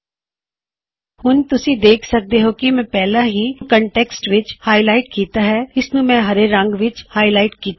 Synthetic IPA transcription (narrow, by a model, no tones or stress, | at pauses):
hʊnt̪ʊsĩd̪eːkʰsɐk̚d̪eɦokimɛ̃pɛːlaɦĩkəɳʈeːksʈʋɪt͡ʃhaːilaːɪʈ̚kiːt̪aɦɛːɪsnũmɛ̃ɦɐɾeɾə̃ŋɡʋɪt͡ʃhaːilaːɪʈ̚kiːt̪ː